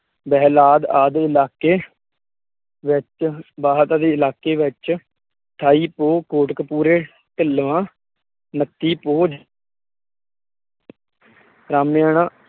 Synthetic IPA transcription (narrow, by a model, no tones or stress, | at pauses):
bɛːlaːd̪aːd̪ɪlaːkeː | ʋɪt͡ʃbaːɦət̪aːd̪eːɪlaːkeːʋɪt͡ʃ | t̪ʰaːiːpoːkoːʈkpuːɾeː | ʈ̪əlʋãː | nət̪ːiːpoːd͡ʒ | ɾaːmjaːnãː